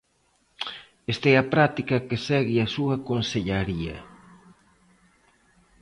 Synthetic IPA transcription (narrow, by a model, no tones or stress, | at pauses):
est̪ɛɐpɾat̪ikɐkesɛɣiɐsuɐkonseʎaɾiɐ